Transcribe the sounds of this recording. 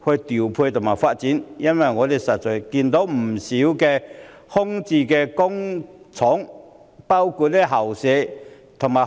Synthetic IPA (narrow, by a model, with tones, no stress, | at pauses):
hɵ˧jt̪i˨˩wpʰuː˧jt̪ʰʊ˨˩ŋmaː˨˩jfaː˧t̚t͡siː˨˥njɐ˥nwɐ˨˩jŋɔː˨˧t̪e˨˩jsɐ˨t̚t͡sɔː˨˩jkiː˧nt̪o˨˥wm̩˨˩si˨˦˥wkɛː˧ | hʊ˥ŋt͡siː˧˩kɛː˧kʊ˥ŋt͡sʰɔ˨˥ŋ | paː˥wkʰu˧t̚lɛ˦˥˩ɦɐ˨˩wsɛ˨˥ | t̪ʰʊ˨˩ŋmaː˨˩